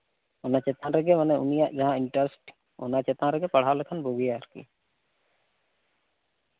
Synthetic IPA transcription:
ɔnat͡ʃɛt̪ãɾɛɡɛmanɛʔṵnijaʔd͡ʒaɦãiɳʈəɾsʈ | ɔ̰nat͡ʃɛt̪ãɾɛɡɛpaɽ̤awlɛkʰanboɡijaɾkḭ

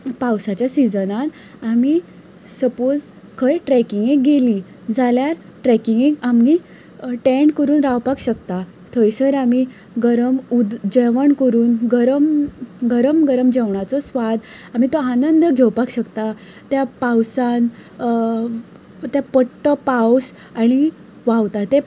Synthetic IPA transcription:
pawsat͡ɕjasid͡zənat̪ | ami | səpod͡z | kʰəjʈɾɛkiŋɡek̚ɡeli | d͡zaljaɾ | ʈɾɛkiŋɡẽkami | ʈɛɳɖkəɾuːnɾawpakɕəkt̪a | t̪ʰəjsəɾami | ɡəɾəmud̪d͡ʑəʋəɳkəɾuːnɡəɾəmɡəɾəmɡəɾəmd͡ʑeʋɳat͡sɔsʋad̪am̤it̪oanənd̪əɡʱewpakɕəkt̪a | t̪japawsan | t̪japəʈʈːəpaws | aɽ̃i | ʋawt̪at̪e

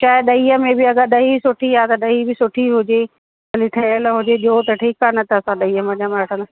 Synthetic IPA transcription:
t͡ɕaːɦɪɗɐiːəmẽbɪɐɡəɗɐɦisʊʈʰiaːt̪ɐɗɐɦibɪsʊʈʰiɦʊd͡ʑe | ɐliʈʰeɽ̃əlɦʊd͡ʑeʄot̪ɐʈʰiːkanɐt̪ʰːsãɗɐiːəmɐ̃ɲamaɐʈʰə̃nɐ

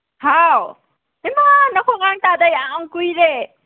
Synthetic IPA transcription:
haw | emanɐkʰoŋaŋt̪ad̪ajaŋaŋkujɾe

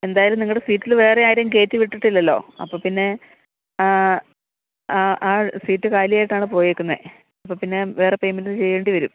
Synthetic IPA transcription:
e̞nd̪aːjɐlumniŋːɐɭɽesiːtːilʋe̞ːreaːjiɾjɐmke̞ːtːiʋiʈːiʈːilːɐlːo̞̰ːɐ̰pːoːpinːe̞ | aːsiːtːɨkaːlijaːjiʈːaːɳɨpo̞ːjekʲːunːɐ | ɐpːoːpinːe̞ʋe̞ːre̞pejmint͡ɕe̞jːeːɳɖiʋɐɾṵm

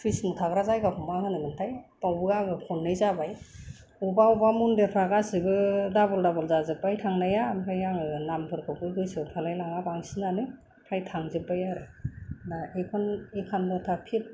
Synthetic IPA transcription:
tʰismɔtʰaɡɾazajɡakʰɔmahɯnɯmɯntʰajpawbɯɡaɡɯkʰɔnːɯjzabaj | ubaubamundepʰaɡasibɯdabɔldabɔlzazɯpːajtʰaŋnajamkʰajaŋɯnampʰɯɾkʰɯkʰɯjɡɯjsɯpʰalajlaŋabaŋsinanɯ | pʰajtʰaŋzɯpːajaɾɯnaekʰɔnekʰanbɯtʰapʰit̚

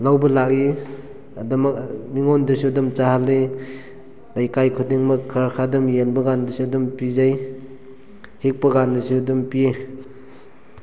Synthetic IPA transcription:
lawbɐlak̚i | adamakmiŋɔndɯsudɔmt͡ʃahalːe | lajkajkʰudiŋmɐkʰːaɾakʰadɯmjenbɐɡandɯsudɔmpizaj | hik̚pɐɡandɯsudɔmpie

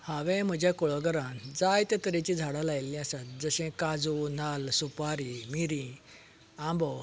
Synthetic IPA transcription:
haʋɛ̃m̤əd͡ʑjakɔɭɔɡəɾãnd͡zajt̪ət̪əɾẽt͡ɕid͡zʱaɽalajlːĩasat̪̚d͡zəɕɛ̃kad͡zunalsupaɾimiɾĩ | ãmbɔ

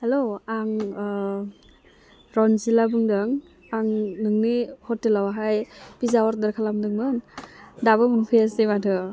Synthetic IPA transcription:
haloaŋ | ɾɔnzilabɯŋdɯŋ | aŋnɯŋnihɔtːelawaɦajpizawaɾ̚daɾkʰalamdɯŋmɯndabɯmɯnpʰɯjasematʰɯ

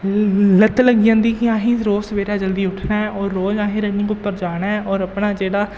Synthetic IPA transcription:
lət̪ləɡɪjãːnd̪iːkɪãːɦĩːɾoːsʋeːɾaːd͡ʒəld̪iːʊʈʰnaːɛʔɔːɾːoːd͡ʒãːɦeɾənĩːkoːpəɾd͡ʒaːɽaːɛʔɔːɾəpɳaːd͡ʒeːɽaː

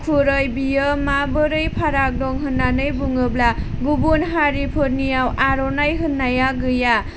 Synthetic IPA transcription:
pʰuɾɯjbijɯmabɯɾɯjpʰaɾak̚dɔŋɦɯnːanɯjbuŋɯbla | ɡubunɦaɾipʰɯɾnijawʔaɾɔnajɦɯnːajaɡɯja

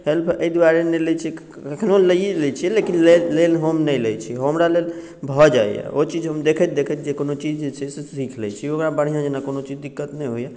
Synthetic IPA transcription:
helpʰəjd̪aɾenelɛt͡ʃʰɛ | kekʰnoləielɛjt͡ʃʰɛlekinlelelɦəmnəjləjt͡ʃʰiɦəmɾalel | bʱɔd͡ʒajjɛ̰ʔot͡ʃid͡ʒɦəmd̪ekʰət̪̚d̪ekʰət̪d͡ʒekonot͡ʃid͡ʒet͡ʃʰɛsesikʰlɛjt͡ʃʰiokɾabəɽ̤ijãd͡ʒenakonot͡ʃid͡ʒd̪ikːət̪nɛ̃jɦoja

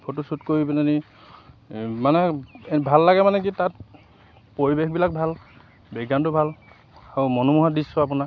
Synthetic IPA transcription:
pʰotusutkoɹipinani | manɛbʱalːaɡɛmanɛkitat̚ | poɹibexbilak̚bʱal | bɛɡantʊbʱal | aɹumɔnɔmuɦadisɔapuna

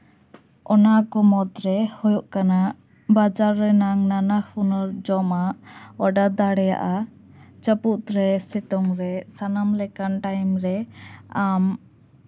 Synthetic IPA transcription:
ɔnakɔmɔd̪ɾɛhɔjɔʔkanaʔ | bad͡ʒaɾːɛnaŋnanahunɔɾd͡ʒɔmaʔɔɖad̪aɽɛja̰ʔa | t͡ʃəput̪ɾɛsɛt̪ɔŋɾɛsanamlɛkanʈajmɾɛam

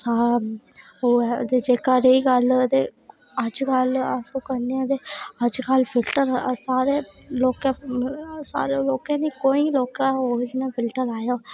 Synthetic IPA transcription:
saː | oːd̪eːd͡ʒeːkaːɾeiːɡəlt̪eː | əd͡ʒkələsõːkəneãd̪eːəd͡ʒkəlpʰɪlʈəɾsaːɾeːloːkɛ̃ | sa̰ːɾeloːkɛ̃ːniːkoːiːloːkaːoːd͡ʒnãːpʰɪlʈəɾaːjoː

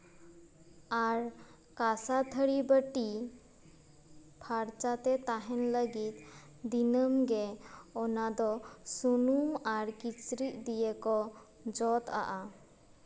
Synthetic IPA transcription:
aɾ | kasat̪ʰəɽibəʈi | pʰaɾt͡ʃat̪ɛt̪aɦɛnləɡit̪̚ | d̪inəmɡɛɔnad̪ɔsunumaɾkit͡ʃɾiʔd̪ijɛkɔ | d͡ʒɔt̪a̰ʔa

